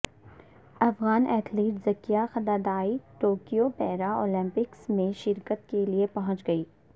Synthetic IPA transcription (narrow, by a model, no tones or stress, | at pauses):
ɐfɣaːnʔɛːt̪ʰliːʈzɐkijaxɐd̪ad̪aːiʈoːkijopɛːɾaoːlɛ̃mpɪksmẽʃɪɾkət̪keliepɐɦʊ̃t͡ʃɡɐiː